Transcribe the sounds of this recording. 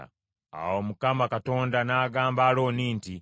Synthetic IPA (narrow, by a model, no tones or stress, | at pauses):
a̰womukamakato̞ːndanaːɡaːmbaːlo̞ːniːnti